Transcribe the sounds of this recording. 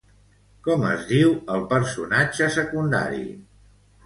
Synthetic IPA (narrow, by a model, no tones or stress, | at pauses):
kɔmə̰zðiwəlˠpəɾsunad͡ʒəsəkund̪a̰ɾḭ